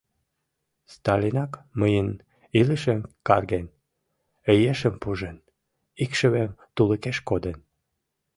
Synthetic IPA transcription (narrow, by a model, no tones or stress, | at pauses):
st̪ɑlʲinɑkməjən | iləʃemkɑrɣen | əjeʃəmpuʒen | ikʃəβemt̪uləkeʃkod̪ən